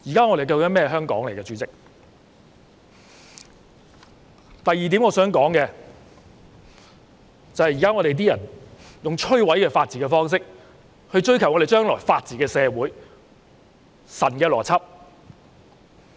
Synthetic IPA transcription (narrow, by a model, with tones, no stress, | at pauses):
jiː˨˩kaː˥ŋɔː˨˧ɾe˨jkɐ˧wkɐ˨˥nmɛː˥ɦœː˥ŋkɔː˨˥ŋle˨˩jkɛ˧t͡ʃyː˨˥t͡sɪ˨k̚ | t̪ɐ˨jːiː˨t̪iː˨˥ŋɔː˨˧sœː˨˥ŋkɔː˨˥ŋkɛː˧ | t͡sɐ˨˧whɐ˨jiː˨kaː˥ŋɔː˨˧ɾe˨jt̪̬iː˥jɐ˨˩njʊ˨ŋt͡ʃʰɵ˥ɥwɐ˨˥jkɛː˧faː˧t̚t͡siː˨kɛː˧fɔː˥ŋs̬ɪ˥k̚ | hɵ˧ɥt͡ʃɵ˥ɥkʰɐ˨˩wɔː˨˧ɾe˨jt͡ʃœː˥ŋlɔː˨˩jfaː˧t̚t͡siː˨kɛː˧sɛː˨˧wuː˨˥j | sɐ˨˩nkɛː˧lɔː˨˩t͡sʰɐ˥p̚